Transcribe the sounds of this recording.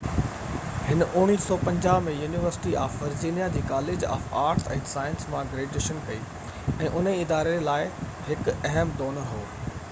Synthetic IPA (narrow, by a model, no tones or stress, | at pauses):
hɪnʔʊɽ̃iːsɔːpɐ̃ɲd͡ʑaːʋmẽjuːniʋəɾsɪ̥ʈiʔaːfʋɐɾd͡ʑiːnijad͡ʑiːkaːleːd͡ʑa̰ːfaːɾʈsɛ̰̃ːsaːjənsmãɡɾeːɖeːʃənkɐiː | ɛ̃ːʔʊneɪd̪aːɾelaːɪ | hɪkɛɦəmd̪oːnəɦoː